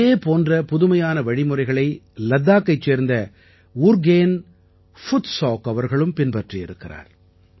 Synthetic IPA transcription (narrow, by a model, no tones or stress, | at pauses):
eːpoːndrɐpʊðʊmɐjaːnɐʋɐɻɪmɯrɐɪɣɐɭɐɪ | lɐd̪ːaːkːɐɪt͡ʃːeːɾnd̪ɐ | uːɾɡeːn | fʊt̪soːkɐʋɐɾɣɐɭɯmpɪnpɐʈriɪ̰ɾɯkːɪra̰ːɾ